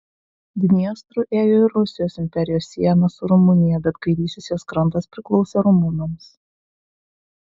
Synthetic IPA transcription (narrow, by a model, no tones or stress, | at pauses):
d̪ʲɪnʲiɛst̪ɾʊʔeːjoːɪɾɾʊsʲɪjoːsɪmʲpʲɛɾʲɪjoːsʲːiɛnɐsʊɾʊmʊnʲɪjɛbʲɛt̪kɐɪɾʲiːsʲɪsʲjoskɾɐnt̪ɐspʲɾʲɪklˠɔʊsʲeːɾʊmʊnɐms